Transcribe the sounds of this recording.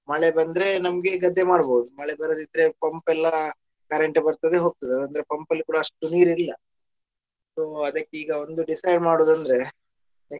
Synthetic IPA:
mɐɭebɐnd̪ɾe̞nɐmɐɡeɡɐd̪ʱːemaːɽboːd̪umɐɭebɐɾoːd̪id̪ɾe̞pɐmpɛlːɐ | kaːɾeɳʈebɐɾt̪ɐd̪eɦoːɡ̚t̪ɐd̪eɐd̪ɐnd̪ɾe̞pɐmpɐlːikuːɽɐɐʂʈuniːɾilːɐ | soːɐd̪ɐkːeiːɡɐo̞nd̪uɖisɐjɖmaːɽoːd̪uɐnd̪ɾe̞

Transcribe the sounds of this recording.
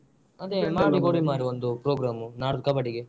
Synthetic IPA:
ɐd̪emaːɽiɡoːɽimaːɾiond̪upɾoːɡɾaːmunaːɽukɐbɐʈiɡe

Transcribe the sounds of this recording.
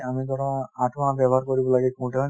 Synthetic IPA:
amid̪ɔɾaaʈʰmaabɛbʱɔɦaɾkoɾibɔlaɡɛkũʈaa

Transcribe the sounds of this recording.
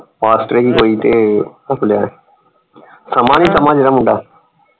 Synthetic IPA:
ʋaːsʈɾeːkiːkoːiːt̪eːnakʰʊljaːɦeː | səmaːniːsəmaːd͡ʒɾəmʊ̃ɳɖaː

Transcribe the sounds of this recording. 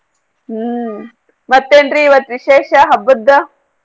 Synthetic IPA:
mɐt̪ːeːɳɖɾiːʋɐt̪ʋiʃeːʃɐɦɐbːud̪ːɐ

